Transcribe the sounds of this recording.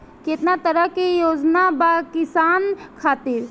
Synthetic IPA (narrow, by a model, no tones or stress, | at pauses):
ket̪nat̪əɾəkijoːd͡ʒnabakɪsaːnkʰaːt̪iɾ